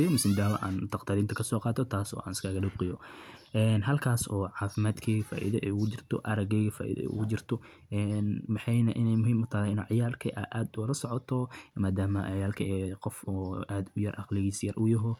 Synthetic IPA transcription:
ɪjɐmʊsɪnd̪aːwɐ̰ʔa̰ːnt̪ʰɑqt̪ʰɐɾiːnt̪ʰɐkʰɐsɔːqɑːt̪ʰɔt̪ʰaːsɔ̰ːʔa̰ːnɪskʰaːɣɐɖʊb̚qɪjɔʔɛːnɦɐlkʰaːsɔːʕɑːfɪmaːd̪kʰɛjɣɐfa̰ːʔḭðɐʔɛ̰ʊɣʊt͡ʃɪrt̪ʰɔ̰ʔɐɾɐɡɛjɣɐfa̰ːʔḭðɛ̰ɛ̰ɣʊt͡ʃɪrt̪ʰɔ | ɛːnmɑħɑjnɐʔɪnɛjmʊɦiːmʊt̪ʰaːhɛɪnṵːʕɑjaːlkʰɐʔɐʔaːd̪wɐlɐsɔʕɔt̪ʰɔmaːd̪aːmɐʕɑjaːlkʰɐɛːqɔfɔːʔaːd̪ʊjɐrʔɑ̰qlɪɣiːsjɐrʔʊjɐɦɔ

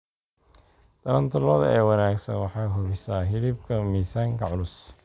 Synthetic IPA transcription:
t̪ʰɐlɐnt̪ʰʊlɔðɐ̰ɛːwɑnaːɡsɐ̰nwɑħɑːɦʊβɪsaːɦɪlɪbkʰɐmiːsaːŋkʰɐʕʊlʊs

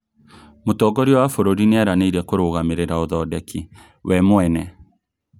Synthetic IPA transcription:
motɔɡɔɾiɔwafoɾoɾineaɾaneiɾɛkoɾoɣameɾeɾaoðɔdɛkʰi | wʔɛmoɛnɛ

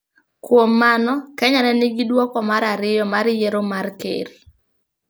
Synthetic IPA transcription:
kwomːanɔkɛɲanɛnɪɡɪdwɔkɔmaɾaɾɪjɔmaɾjeɾomarkḛɾ

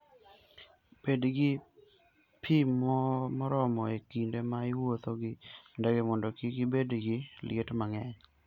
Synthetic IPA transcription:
b̥edɡɪ | pʰimɔmɔɾɔmɔekindemaɪwot̪oɡɪndɛɡemɔndɔkiɡɪbedɡɪlɪ̰etmaŋɛɲ

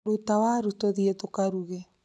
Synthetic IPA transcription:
ɾutawaɾutoðietokaɾuɣe

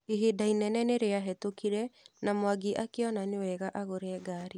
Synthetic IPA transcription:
eɦedainɛnɛneɾeaɦɛtokiɾɛnamowaɡeʔakeɔnanewɛɣaʔaɣoɾɛːɡaːɾe

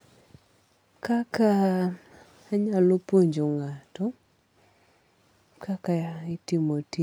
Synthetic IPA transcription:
kaka | aɲalopoɲd͡ʒoŋatɔ | kakaɪtimoti

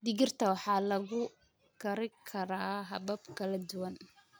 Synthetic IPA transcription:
d̪ɪɣɪrt̪ʰɐwɑħɑːlɐɣʊ | kʰɐɾɪkʰɐɾaːɦɐbɐbkʰɐlɐd̪ʊwɐn

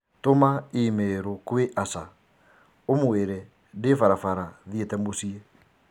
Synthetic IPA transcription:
tomaimeɾokweʔasa | omweɾɛ | defaɾafaɾaðietɛmosie

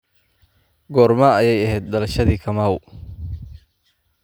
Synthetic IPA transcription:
ɡɔːrmaːɐjɛjɐɦɛːd̪̚d̪ɐlɐʃɐðiːkʰɐmaːw

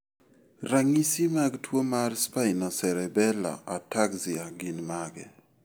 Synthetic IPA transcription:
raŋisimaɡtwomarspainɔsɛɾɛbɛla̰ʔatakziaɡinmaɡɛ̰

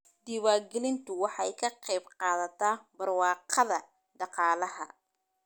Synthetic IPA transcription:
d̪iːwaːɡɪlɪnt̪ʰʊwɑħɑjkʰɐqɛjbqɑːðɐt̪ʰaːbɐrwɑːqɑðɐ | ɖɑqɑːlɐɦɐ̰

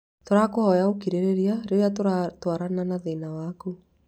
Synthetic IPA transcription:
toɾakohɔjaokiɾeɾeɾiaɾejatoɾatwaɾananaðenawaku

